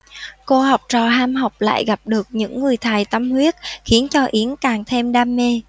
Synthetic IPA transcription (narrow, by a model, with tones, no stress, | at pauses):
ko˧ha˨˩wk͡p̚t͡ɕɔ˨˩ɦaː˧mha˨˩wk͡p̚la̰ː˧˨jɣa˨˩p̚ɗɨ˨˩ək̚ɲɨ̰˧˥ŋːɨ˨˩əjt̪ʰa˨˩jt̪ə˧mhwi˦˥ət̚xi˨˦ənt͡ɕɔ˧ʔi˨˦ənkaː˨˩ŋt̪ʰe˧mɗaː˧mːe˧